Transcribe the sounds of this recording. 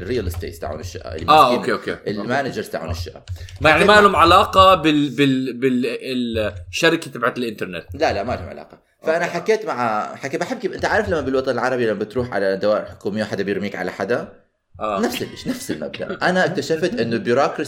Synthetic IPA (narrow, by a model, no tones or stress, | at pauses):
rːiːjalɪst̪ḛːt̪st̪a̰ʕṵːnɪʃːɪ̰ʔa̰ʔɪlːimaːikeʔkeːʔɪlmaːnad͡ʒɑɾt̪a̰ʕṵːnɪʃːɪʔa̰ajaʕnimaʔalhumʕalaːqɑbɪbɪbɪɪʃaɾɪkat̪abʕat̪ɪlʔɪnt̪ɑɾˤnet̪lalamaʔalhʊmʕa̰la̰ːqɑ | faʔanaħakːeːt̪maʕaħakːebaħɪb̚ːkibɪnt̪aʕaːɾɪflamːabɪlwɑt̪ˤɑnɪlʕɑɾˤɑbilamːabɪt̪ɾuːħʕa̰lad̪awaːʔɪlħʊ̥kuːmɪjːawħad̪ːabɪjɪɾmiːkʕa̰laħad̪a | ʔaːnafsɪlʔɪʃnafsɪlma̰b̚d̪a̰ʔʔanaʔak̚t̪aʃaft̪ʔɪnːʊlbʊɾɑːkɾɑ